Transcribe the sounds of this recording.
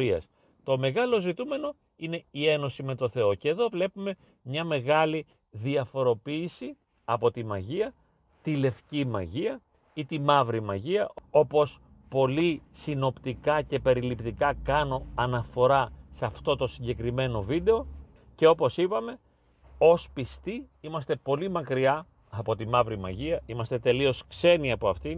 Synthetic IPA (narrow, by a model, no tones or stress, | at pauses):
ɾiɐ̰s | t̪o̞me̞ɣɐlo̞zit̪ume̞no̞ | ine̞ie̞no̞sime̞t̪o̞θe̞o̞ce̞ːðo̞vle̞pume̞ | mɲɐme̞ɣɐli | ðiɐfo̞ɾo̞piːsi | ɐpo̞t̪imɐʝiɐ | t̪ile̞fcimɐ̰ʝiɐ | it̪imɐvɾimɐ̰ʝiɐʔo̞po̞s | po̞lisino̞pt̪ikɐce̞pe̞ɾilipt̪ikɐkɐno̞ɐnɐfo̞ɾɐsɐft̪o̞t̪o̞siɲɟe̞kɾime̞no̞vid̪e̞o̞ | ce̞o̞po̞sipɐme̞ | o̞spist̪iimɐst̪e̞po̞limɐkɾiɐ | ɐpo̞t̪imɐvɾimɐ̰ʝiɐimɐst̪e̞t̪e̞lio̞skse̞niɐpo̞ɐft̪i